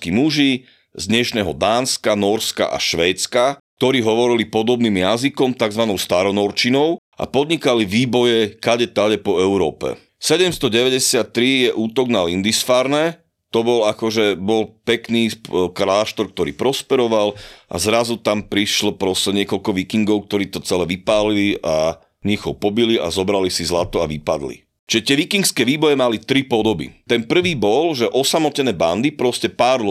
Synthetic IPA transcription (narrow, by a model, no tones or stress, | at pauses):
kimuʒi | zd̪ɲɛʃnɛɦɔd̪aːnskanɔɾska̰ʔa̰ʃʋɛːt͡skak̚t̪ɔɾiːɦɔʋɔɾilipɔd̪ɔbniːmjazikɔmt̪aɡzʋanɔʊst̪aɾɔnɔɾt͡ʃinɔʊ | a̰pɔd̪ɲikaliʋiːbɔjɛkaɟɛt̪aɟɛpɔɛʊɾɔːpɛ̰ | sɛɟɛmst̪ɔɟɛʋɛɟɛsɪat̪ːɾijɛʔuːt̪ɔɡnalind̪isfaːɾnɛ | t̪ɔbɔlakɔʒɛbɔlpɛkniːkɾaːʃt̪ɔɾk̚t̪ɔɾḭːpɾɔspɛɾɔʋalʔa̰zɾazut̪ampɾiʃlɔpɾɔsɛɲɪɛkɔlkɔʋikiŋɡɔʊk̚t̪ɔɾiːt̪ɔt͡sɛlɛʋipaːliliʔa | ɲiɣɦɔpɔbilia̰zɔbɾalisizlat̪ɔaʋipa̰d̪lḭ | t͡ʃiʒɛt̪ɪɛʋikiŋkskɛːʋiːbɔjɛmalit̪ɾipɔd̪ɔbḭt̪ɛnpr̩ʋiːbɔlʒɛʔɔsamɔcɛnɛːband̪ipɾɔscɛpaːɾl